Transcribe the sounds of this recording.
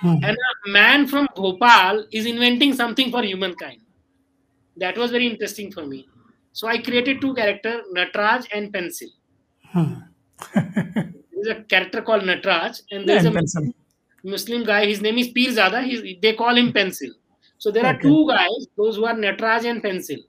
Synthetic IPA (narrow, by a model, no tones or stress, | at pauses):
ɛ̃nəmɛ̃ːnfɾɔ̃mɡʱoːpaːlɪzɪ̃nʋɛ̃ɳʈɪ̃ŋɡsʌ̃mt̪ʰɪ̃ŋfɔːɾɦjuːmə̃nkãɪ̃ɳɖ | d̪æʈʋɔːzʋɛɾiɪ̃ɳʈɾesʈɪ̃ŋfɔːɾmiː | soːaɪkɾieːʈeɖ̚ʈuːkæɾək̚ʈəɾnəʈɾaːd͡ʒɛ̃ɳɖ̚pɛ̃nsɪl | h | d̪eɾɪzəkæɾək̚ʈəɾkɔːlɖnəʈɾaːd͡ʒɛ̃ɖd̪eːɾzə | mʊslɪ̃mɡaɪɦɪznẽːmɪzpiːlzaːd̪aɦid̪eːkɔːlɦɪ̃mpɛ̃nsɪl | soːd̪eːɾaːɾʈuːɡaɪzd̪oːzɦuːaːɾnəʈɾaːd͡ʒɛ̃ɳɖpɛ̃nsɪl